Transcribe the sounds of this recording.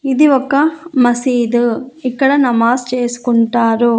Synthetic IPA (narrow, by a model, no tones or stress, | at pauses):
id̪iɔkːɐmɐsiːd̪uikːɐɽɐnɐmaːst͡ʃe̞ːsu̥kuɳʈaːɾu